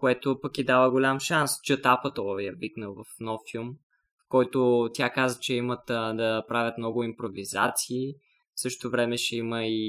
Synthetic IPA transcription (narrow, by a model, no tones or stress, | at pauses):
koɛt̪opəkid̪avəɡolʲamʃanst͡ʃət̪apət̪ɔjɐviknəlˠvɐfnɔfilˠm | fkɔjt̪ot̪ʲjakazət͡ʃɛimət̪d̪ɐpɾavʲɐt̪mnɔɡʊimpɾoviza̰t̪siː | fsɤʃt̪ovɾɛmɛʃɛiməi